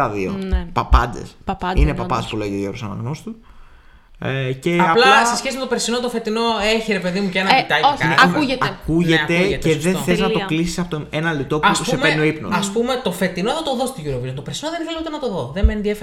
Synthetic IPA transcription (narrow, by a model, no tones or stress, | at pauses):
ɐðio̰pɐpɐnd̪ḛsinepɐpɐspuleʝioʝoɾusɐ̰nɐ̰ɣnost̪u | ece̞aplasesçe̞simet̪o̞peɾsinot̪ofe̞t̪ino̞eçiɾepe̞ðimucenɐpit̪ɐiknɐuʝet̪ɐkuʝet̪eteðeθeznɐt̪oklisi̥sɐpot̪oenɐlit̪o̞puɐssemenoipnoɐspume̞t̪o̞fe̞t̪ino̞ðot̪oðost̪iʝuɾoviont̪opesinoðenθelut̪enɐt̪o̞ðo̞ðemeːnðief